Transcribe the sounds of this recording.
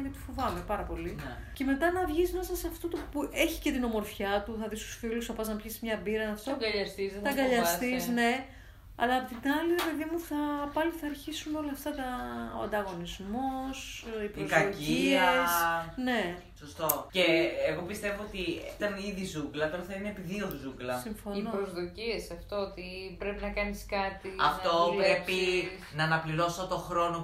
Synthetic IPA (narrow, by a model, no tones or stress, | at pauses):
ðit̪u̥fovɐme̞pɐɾɐpo̞li | ce̞me̞t̪ɐnɐvʝizmesɐseɐft̪ot̪upuʔeçi̥ce̞t̪ino̞mo̞ɾfçɐt̪uθɐðist̪u̥sfilusθɐpɐznɐpʝisimɲɐbiɾɐnɐft̪oɡɐʎɐst̪izθɐɡɐʎɐst̪izne̞ | ɐ̰lɐːpo̞t̪inɐliɾepe̞ðimuθɐpɐliθɐːɾçisumeo̞lɐːft̪ɐt̪ɐo̰ɐ̰nd̪ɐɣo̞nizmo̞sipɾizkɐociiɐesne̞ | so̞st̪o̞ce̞ːɣo̞pist̪e̞voot̪it̪ɐniðizuɡlɐt̪olɐsθɐineːpiðioðuzuɡlɐsiɱfo̞ninopɾozðociesɐft̪oot̪ipɾepinɐkɐniskɐt̪iɐft̪o̞pɾe̞pi | nɐːnɐpliɾo̞sot̪o̞xɾo̞no